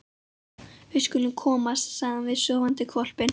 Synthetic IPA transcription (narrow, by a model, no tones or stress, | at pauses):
vɪskʏlʏnkʰɔːmast̪saːðanvɪðsœːvant̪ɪkʰvɔl̥pɪn